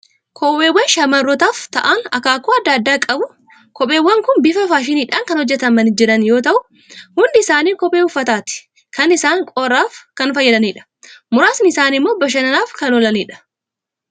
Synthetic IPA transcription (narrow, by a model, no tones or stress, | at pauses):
kʰoweːwɐnʃɐmɐrːɔt̪aːft̪ɐʔanɐ̰kaːkːɔːɐd̪ːaːd̪ːaːkʼɐbʊ | kɔpʼeːwːɐŋkʊnbɪfɐfaːʃ̬ɪniːᶑaːŋkɐnhɔd͡ʒːɛt̪ɐmɐnɪd͡ʒɪɾɐnjo̞ːt̪ɐʔʊ | hʊnd̪ɪɪsaːniːkɔpʼeːʊfːɐt̪aːt̪ɪ̥ | kɐnɪsaːŋkʼoːrːaːfkɐnfɐjːɐd̪ɐniːᶑɐ̥ | mʊɾaːsnɪɪsaːnɪmːoːbɐʃ̬ɐnɐnaːfkɐnɔlɐniːᶑɐ̥